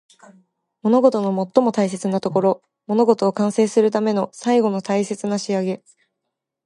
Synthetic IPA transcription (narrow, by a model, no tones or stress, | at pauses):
mo̞no̞ɡo̞t̪o̞no̞mo̞t̪ːo̞mo̞t̪ais̬e̞t͡sɨnat̪o̞ko̞ɾo̞ | mo̞no̞ɡo̞t̪o̞ːkãɰ̃se̞ːsɨɾɯ̟t̪ame̞no̞saiɡo̞no̞t̪aise̞t͡sɨnaɕiaɡe̞